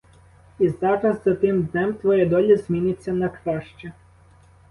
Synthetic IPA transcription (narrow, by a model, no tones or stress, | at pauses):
izɑɾɾɐzzɐt̪ɪmd̪nɛmt̪ʋɔjɛd̪ɔlʲizmʲinɪt͡sʲːɐnɐkɾɑʃt͡ʃɛ